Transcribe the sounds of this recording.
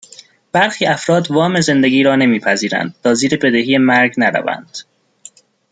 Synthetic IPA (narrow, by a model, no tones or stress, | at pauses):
b̥æɾxiːæfɾɒːd̪vɒːme̞ze̞nd̪eɡiːɾɒːne̞miːpʰæziːɾæ̰nd̪̥̚t̪ʰɒːziːɾebe̞d̪e̞hiːjemæɾɟnæɾæ̰væ̰nd̪̥